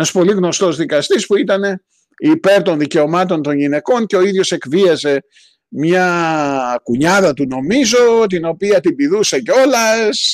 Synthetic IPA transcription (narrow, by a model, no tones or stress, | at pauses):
enɐspo̞liɣno̞st̪o̞zðikɐst̪ispuit̪ɐne̞ | ipe̞ɾt̪o̞nðice̞o̞mɐt̪o̞nt̪o̞nʝine̞ko̞nce̞oiðʝo̞se̞kviɐze̞ | mɲɐ | kuɲɐðɐt̪uno̞mizo̞t̪̬ino̞piɐt̪ibiðuse̞ceo̞lɐs